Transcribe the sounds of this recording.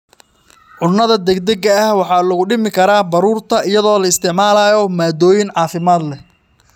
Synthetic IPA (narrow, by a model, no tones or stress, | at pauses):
ʕʊnːɐðɐd̪ɛɡd̪ɛɡɐɐhwɑħɑːlɐɣʊɖɪmɪkʰɐɾaːbɐɾuːrt̪ʰɐɪjɐðɔːlɐɪst̪ʰɪʕmaːlaːjɔmaːd̪ɔːjɪnʕɑːfɪmaːd̪lɛ